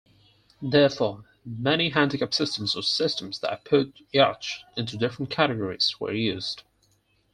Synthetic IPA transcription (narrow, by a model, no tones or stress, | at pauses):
ðɛɹfɔɹ | mɛniɦæ̃ndɪkapsɪstə̃mzə̥sɪstə̃mzðə̰ɾpʰʊtɑɹt͡ʃɪ̃ntʉdɪfɹə̃n̩kʰæɾɨɡɔɹiz̥wə̰˞jʉːz̥d̥